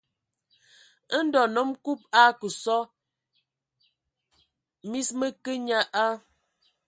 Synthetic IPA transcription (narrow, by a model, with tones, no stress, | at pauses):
ə˦n̩˦dɔ˨nɔ˦mku˦p̚a˦kə˨sɔ˦ | mi˦smə˦kə˦ɲa˦ʔa˦